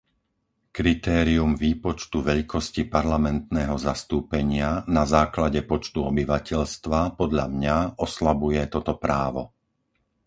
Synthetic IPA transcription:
kɾit̪ɛːɾiumʋiːpɔt͡ʃt̪uʋɛʎkʰɔscipaɾlamɛnt̪nɛːɦɔzast̪uːpɛɲɪanazaːklaɟɛpɔt͡ʃt̪uɔbiʋacɛʎst̪ʋapɔd̪ʎamɲaʔɔslabujɛt̪ɔt̪ɔpɾaːʋɔ

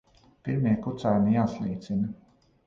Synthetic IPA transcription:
piɾmiɛkut̪saːjumijaːslˠiːt̪sinɐ

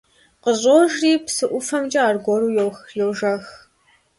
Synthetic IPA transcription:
qəʑʼoːʒriːpsɨʔʷʊfɐmt͡ʃʼɐaːrɡʷɔɾuːjɛwxjɛwʒɐx

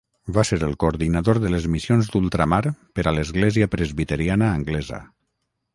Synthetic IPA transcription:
baseɾəlˠkoːɾðinaðoɾðələzmisionzd̪ulˠt̪ɾamaɾpəɾaləzɣlɛziəpɾəzβit̪əɾianəːŋɡlɛzə̰

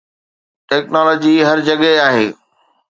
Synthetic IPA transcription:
ʈɛːknɔːlɔːd͡ʑiɦɐɾd͡ʑɐɠaːɦeː

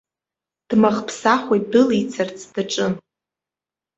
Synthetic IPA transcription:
d̥maχpʰsaχʷejt̚dɨlit͡sʰart͡sʰd̥aʈ͡ʂʼɨn

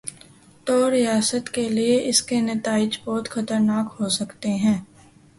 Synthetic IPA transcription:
t̪oːɾijaːsət̪kelieʔɪskenɐt̪aːɪd͡ʒbɔːt̪xɐt̪əɾnaːkɦosɐkt̪eɦɛ̃ː

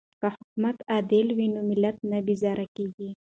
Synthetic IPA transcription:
kahʊkumat̪ɑd̪ɪlwinomɪlːat̪̚nabɪzɑɾakeɡi

